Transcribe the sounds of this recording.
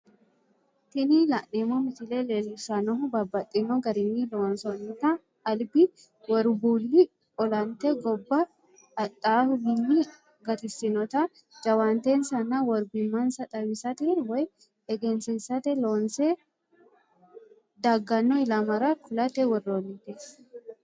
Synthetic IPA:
t̪ɪnɪlɐʔnemɔmɪt̪ɪlɛleːlːʊsɐnɔɦʊbɐbːɐt̪ʼːɪnɔɡɐɾɪnːɪloːnsɔnːɪt̪ɐː | lbɪ | wɔɾbuːlːɪ | ɔlɐnt̪ːɛɡɔbːɐː | t̪ʼːaːhʊɡɪnːɪ | ɡɐt̪ɪsɪnɔt̪ɐ | d͡ʒɐwant̪ensɐnːɐwɔɾɡʊmːɐnsɐt̪ʼɐwɪsɐt̪ɛwɔj | ɛɡɛnsɪnsɐt̪ɛloːnsɛ | d̪ɐɡːɐnːɔɪlɐmɐɾɐkʊlɐt̪ɛwɔrːonːɪt̪ɛs

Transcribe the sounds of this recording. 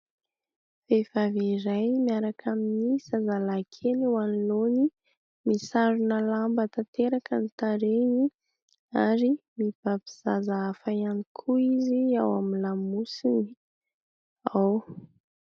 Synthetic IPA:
fefaveɾajmiaɾakʰaminiz̥azalakʰeliwaniloni | misaɾunəlambət̪at̪eɾakənit̪aɾeni | aɾimiv̥api̥z̥azaːfajanikʰuiziawaminlamusini | aw

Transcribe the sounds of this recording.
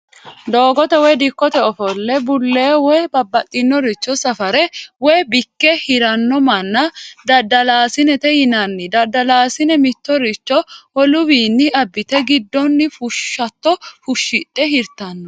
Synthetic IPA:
d̪oːɡɔt̪ɛwɛjd̪ɪkːɔt̪ɛɔfɔlːɛbʊlːeːwɔjbɐbːɐt̪ʼːɪnːɔɾɪt͡ʃːɔsɐfɐɾɛwɛjbɪkːɛhɪɾɐnːɔmɐnːɐd̪ɐd̪ːɐlaːsɪnɛt̪ɛjɪnɐnːɪd̪ɐd̪ːɐlaːsɪnɛmɪt̪ːɔɾɪt͡ʃːɔwɔlʊbiːnːɪɐbːɪt̪ɛɡɪd̪ːɔnːɪfʊʃːɐt̪ːɔfʊʃːɪt̪ʼːɛɦɪɾt̪ɐnːɔ

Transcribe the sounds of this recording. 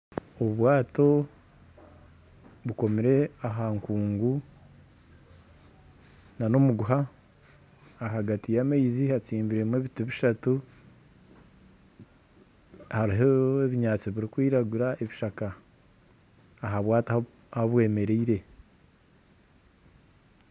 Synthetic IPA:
oβuβwaːto̞ | βuko̞miɾe̞aɦaŋkuːŋɡu | nano̞muɡuɦa | ɦaɡatijameizihat͡siːmbiɾe̞mweːβituβiʃatu | haɾiɦoeβiɲaːt͡siβiɾikwiːɾaɡuɾaʔe̞βiʃaka | ɦaβwaːto | haβwe̞ːme̞ɾeiɾe̞

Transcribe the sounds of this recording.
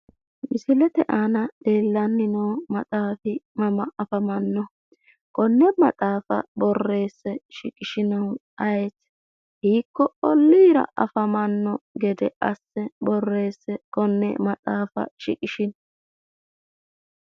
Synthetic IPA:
mɪsɪlɛt̪ɛʔaːnɐd̪̥eːlːɐnːɪnoːmɐt̪ʼaːfɪmɐmɐʔɐfɐmɐnːɔ | kʼɔnːɛmɐt̪ʼaːfɐ̰bɔrːe̞ːsːɛʃɪkʼɪʃɪnɐwʔɐjet̪ | hiːkːɔɔlːiːɾɐ̰ʔɐ̰fɐmɐnːɔɡɛd̪ɛʔɐsːɛbɔrːe̞ːsːɛkʼɔnːɛ̰mɐtʼaːfɐ̰ʃɪ̰kʼɪʃɪn

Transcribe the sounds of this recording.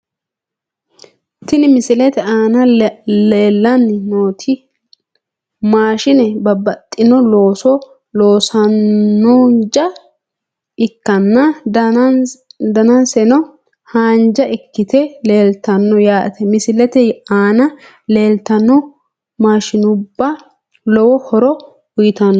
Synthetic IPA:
t̪ɪnɪmɪsɪlɛt̪ɛaːnɐleːlːɐnːnoːt̪ʰɪ | maːʃɪnɛbɐbɐt̪ʼːɪnɔlo̞ːsɔ | loːsɐnːond͡ʒɐ | ɪkːɐnːɐ | d̪ɐnɐnsɛnɔ | haːnd͡ʒɐʔɪkːɪt̪ɛle̞ːlt̪ɐnːɔjaːʔt̪ɛmɪsɪlɛt̪ɛaːnɐ | le̞ːlt̪ɐnːɔ | maːʃɪnʊbːɐ | lɔwɔhɔɾɔ | wʊjɪt̪ɐnːɔ

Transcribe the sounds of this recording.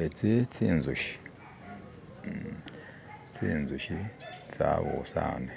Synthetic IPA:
et͡sit͡siːnzuʃi̥ | t͡siːnzuʃit͡saβosaːne

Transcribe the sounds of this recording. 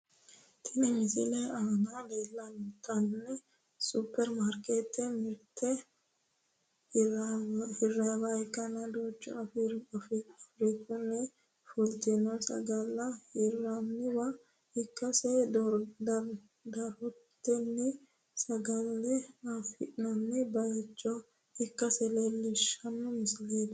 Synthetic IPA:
t̪ʰɪnɪmɪsɪlɛɐnad̪eːlːɐnt̪ɐnːɛ | supːɛɾmaɾket̪ːɛmɪɾt̪ʰɛ | hɪrːabaɛkːɐnɐd̪oːt͡ʃːʊ̰ɐfɾfɐfɾikʊnɛ | fʊlt̪ɛnɔsɐ̰ɡɐlːɐhɪrːɐnːɪwɐ | hɪkːɐsɛd̪d̪ɐ | d̪ɐɾɔt̪ːɛnːɪ | sɐɡɐlːɛafɪnɐnːɛbɐjɛt͡ʃʼːɔ | hɪkːɐsɛlelːɪʃɐnːʊmɪsleːd̪ɐ

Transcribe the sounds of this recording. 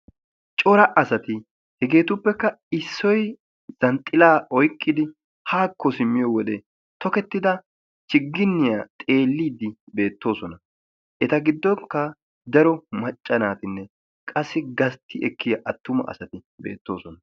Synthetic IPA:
t͡ʃʼɔɾɐʔɐsɐt̪ɪ | hɛɡe̞ːt̪ʊpːɛkːɐ | ɪsːɔj | z̥ɐnt̪ʼːɪlaːʔɔjkʼːɪd̪ɪ | haːkːɔsɪmːɪjɔwɔd̪ɛ | t̪ɔkɛt̪ːɪd̪ɐ | t͡ʃɪɡːɪnːɪjat̪ʼe̞ːlːiːd̪ːɪbe̞ːt̪ːo̞ːsɔnɐ | ʔɛt̪ɐɡɪd̪ːɔŋkːɐ | d̪ɐɾɔmɐt͡ʃʼːɐnaːt̪ɪnːɛ | kʼɐsːɪɡɐst̪ʰːɪʔɛkːɪjɐʔɐt̪ːʊmɐ̰ʔɐ̰sɐt̪ɪbḛːt̪ːo̞̰ːsɔnɐ

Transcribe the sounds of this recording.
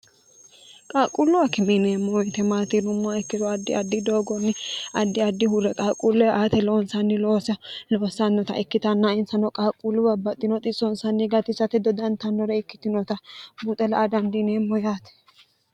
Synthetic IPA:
kʼaːkʼulːʊwɐkɪmɪneːmːɔɔjt̪ɛmaːt̪ɪnʊmːʊaɪkːɪd̪ɔɐd̪ːɪ̰ɐd̪ːɪd̪oːɡɔnːɪɐd̪ːɪɐd̪ːɪhʊɾɛkʼaːkʼulːɛʔaːt̪ɛlonsɐnːɪloːsɐloːsɐnːɔt̪ɐ̰ʔɪkːɪt̪ɐnːaɪnsɐnɔkʼaːkʼːulːʊbɐbːɐt̪ʼːɪnɔt̪ʼɪsɔnsɐnːɪɡɐt̪ɪsɐt̪ɛd̪ɔd̪ɐnt̪ɐnːɔɾɛɪkːɪ̥t̪ɪnɔt̪ɐbut̪ʼɛlɐʔad̪ɐnd̪ɪneːmːɔjaːt̪ɛ̥

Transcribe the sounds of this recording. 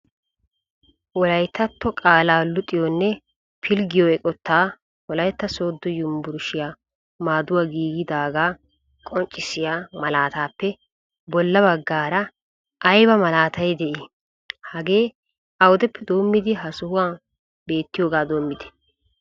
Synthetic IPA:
wɔlɐjt̪ːɐt̪ːɔkʼaːlaːlʊt̪ʼːɪjɔnːɛ | pʰɪlɡɪjɔɛkʼɔt̪ʰːaː | wɔlɐjt̪ːɐso̞ːd̪ːɔjʊmbʊɾʃɪjaː | maːd̪ʊwaːɡiːɡɪd̪aːɡaː | kʼɔnt͡ʃʼːɪsɪjaːmɐlaːt̪aːpːɛ | bɔlːɐbɐɡːaːɾɐ | ʔɐjbɐmɐlaːt̪ɐjd̪ɛʔɪ | hɐɡe̞ː | ɐwʊd̪ɛpʰːɛd̪o̞ːmːɪd̪ɪɦɐsʊhʊwaː | be̞ːt̪ːɪjoːɡaːd̪o̞ːmːɪd̪ɛ̥

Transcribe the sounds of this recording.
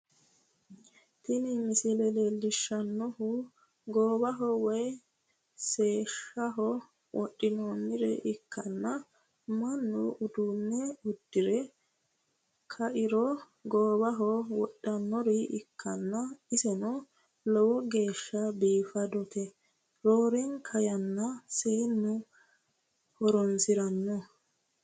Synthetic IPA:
t̪ɪnɪmɪsɪlɛlɛlɪʃːɐnːɔhʊ | ɡoːbɐɦɔwɔj | se̞ːʃːɐɦɔ | wʔɔɗːɪnoːnːɪɾɛ̰ʔɪkːɐnːɐ | mɐnːʊʔʊd̪unːɛʊd̪̥ːɪɾɛ | kʰɐʔɪɾɔ | ɡoːbɐɦɔwɔɗːɐnːɔɾɪʔɪkʰːɐnːɐɪsɛnɔ | lɔwɔɡe̞ːʃːɐbiːfɐd̪ɔt̪ɛ | ɾoːɾɛnkʰɐjɐnːɐseːnːʊ | hɔɾɔnsɪɾɐnːɔ

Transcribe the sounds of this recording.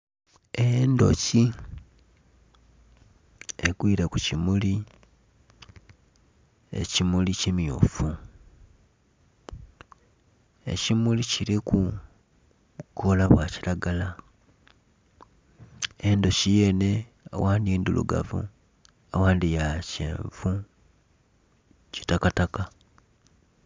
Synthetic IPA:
endo̞̰ci | eɡwiːɾekucimuli | e̞̰cimulicimjo̰fu | e̞̰cimuliciɾiku | ko̞laβwacilaɡala | endo̞ʃijene̞ | awʔaːndiiːndulṵɡa̰vṵ | awaːndijacḛːɱvu | ci̥takataka

